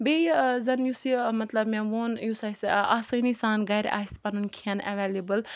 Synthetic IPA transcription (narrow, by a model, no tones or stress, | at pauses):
bejzɐnjusimɐt̪lɐbmẽʋoːnjusajsaːsəjnisaːnɡɐjɾʲʔa̰ːsʲpɐnunkʰiɐnɛ̰ʋelebəl